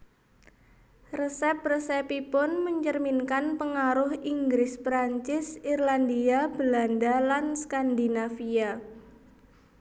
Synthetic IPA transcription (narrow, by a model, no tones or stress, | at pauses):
rəsɛp̚rəsɛpipʊnməɲt͡ʃərminkanpəŋaɾʊhiŋɡɾɪspɾaɲt͡ʃɪsirland̪iab̥landalanskand̪inafia